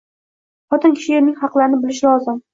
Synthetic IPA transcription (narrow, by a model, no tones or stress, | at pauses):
χɒt̪ɪnkʲʰɪ̥ʃɪeɾnɪŋʲhɑqlˠaɾɪnɪbɪlɪʃlˠɒzɪm